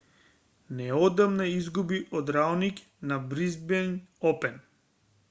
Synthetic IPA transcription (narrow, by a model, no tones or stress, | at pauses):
nɛɔd̪amnaizɡubiʔɔd̪ɾaɔnik | nabɾizbiɛnɔpɛn